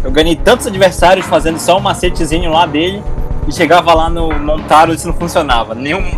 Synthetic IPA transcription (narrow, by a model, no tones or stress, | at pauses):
ewɡɐ̃ɲ̃ejt̪ɐ̃t̪ʊzad͡ʒiveɾsaɾjʊsfazẽnd̪ʊsɔũmaset͡ʃɪzĩɲʊlad̪elɪɪʃeɡavɐlanʊmõnt̪aɾõd͡ʒɪnɐ̃w̃fũsionavɐnẽj̃ũ